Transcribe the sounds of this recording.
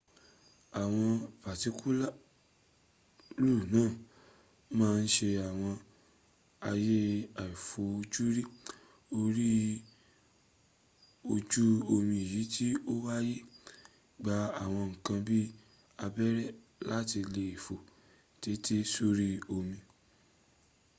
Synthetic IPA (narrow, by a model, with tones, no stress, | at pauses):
a˨w̃ɔ̃˧pa˨ti˨˦kʰu˦la˦ | lu˦˨nãː˦˨ | mãː˦˧n̩˦ʃe˧a˨w̃ɔ̃˧ | a˧je˦a˨i˨fo˨o˧d͡ʒu˦ɾi˦ | o˧ɾi˦ | o˧d͡ʒu˦o˧mĩ˧˨ji˨˦ti˦o˦wa˦ji˦ | ɡ͡ba˨˧a˨w̃ɔ̃˧ŋ̩˨kã˧bi˦ | a˧bɛ˦ɾɛ˦˨ | la˦ti˧le˧˨i˨fo˨ | ti˨˦tʰi˦su˦ɾi˦o˧mĩ˧